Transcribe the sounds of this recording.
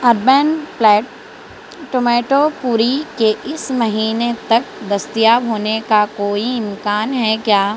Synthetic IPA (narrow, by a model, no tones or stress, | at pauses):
ɐɾbɛːnplɛːʈ | ʈomɛːʈopuːɾikeʔɪsmɐɦiːnet̪ɐk̚d̪ɐst̪ijaːbɦoːnekakoːiɪ̃mkaːnɦɛkjaː